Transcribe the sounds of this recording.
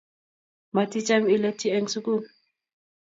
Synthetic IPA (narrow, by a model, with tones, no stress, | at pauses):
ma˨tʼi˦t͡ʃʼami˦le˦tʰiɛŋsuku˦nu